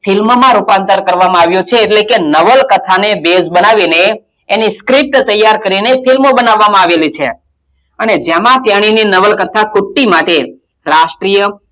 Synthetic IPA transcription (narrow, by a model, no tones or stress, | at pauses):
fʰilmmãɾupãnt̪əɾkəɾʋamãaʋjõt͡ʃʰeːʈlekenəʋəlkət̪ʰanebesbənaʋineː | niskɾip̚ʈt̪əjːaɾkəɾinefilmobənaʋːamãaʋelit͡ʃʰḛ | əned͡ʒemãt̪jaɽ̃ininəʋəlkət̪ʰakʊʈːimaʈe | ɾaʃʈɾijə